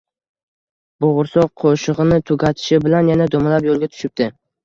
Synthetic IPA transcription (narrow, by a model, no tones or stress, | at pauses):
boʁʊɾsɒqqʰoʃɨʁɨnɪt̪ʰʊɡʲat̪ʰɪ̥ʃɪbɪlanjanad̪omalapjolˠɡʲat̪ʰʊ̥ʃɪp̚t̪ɪ